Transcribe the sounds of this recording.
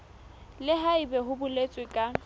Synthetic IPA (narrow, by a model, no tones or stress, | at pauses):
lɪɦaibɛɦʊbʊlet͡sʼwɪkʼa